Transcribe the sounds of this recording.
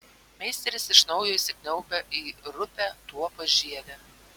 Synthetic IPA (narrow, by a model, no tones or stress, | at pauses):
mʲɛɪsʲt̪ʲɛɾʲɪsɪʃnɒʊjoːisʲɪkʲnʲɛʊpʲɛʔiːɾʊpʲæt̪uɔpoʒʲiɛd̪ʲɛ